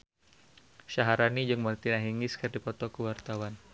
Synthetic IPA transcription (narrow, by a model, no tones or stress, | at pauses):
ʃaɦaɾanid͡ʒɨŋmərt̪inaɦiŋɪskɨrdipɔt̪ɔkəwart̪awan